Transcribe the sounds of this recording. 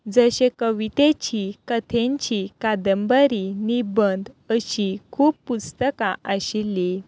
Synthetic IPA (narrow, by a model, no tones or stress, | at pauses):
d͡zəɕekəʋit̪et͡ɕikət̪ʰẽɲt͡ɕikad̪əmbəɾinibənd̪ | əɕikʰuːppust̪əkaʔəɕili